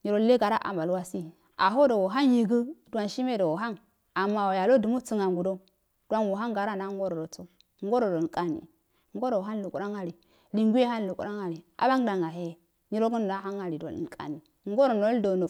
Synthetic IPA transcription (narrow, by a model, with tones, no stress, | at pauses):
ɲi˨ɾo˦le˦ɡa˨ɾa˦ʔa̰˨ma˨lwa˦si˦ | a˨ɦo˦do˨wo˨ɦa˦nji˨ɡə˦du˨a˨nʃi˦me˦do˨wo˨ɦa˦ŋ | a˨mːa˨wa˨ja˨lo˦du˨mo˦t͡si˦ŋa˨ŋɡu˨do˦ | d̥u˦a˦nwu˨ɦa˦ŋɡa˨ɾa˦˨na˦ŋ˦ɡo˦ɾo˨do˨t͡so˦ | ŋ˦ɡo˦ɾo˨do˨kʼa˦nḭ˨ | ŋ˦ɡo˦ɾo˨ɦa˦nlu˨ku˨ɾa˦ŋa˨ɾi˨ | li˨ŋɡu˦e˦ha˦n˦lu˨kṵ˨ɾa˦ŋa˨ɾi˨a̰˨ba˦ŋ˦da˨ŋa˨ɦe˦˨ | ɲi˦ɾo˦ɡə˦n˨a˦ɦa˦ŋa˨li˨do̰˨lḭ˨kʼa̰˨ni˨˦ŋ˦ɡo˦ɾo˨n˨o˨˦do˨no˨